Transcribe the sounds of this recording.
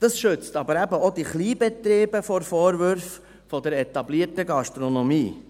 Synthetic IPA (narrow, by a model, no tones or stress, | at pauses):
d̥ɑsʃʏt͡stɑbəɾæbəod̪iχliːbɛt̪ɾeːbəfɔɾfɔːɾʋʏɾf | fɔd̪əɾɛtɑbliəɾtəɡɑʃtɾɔnɔmiː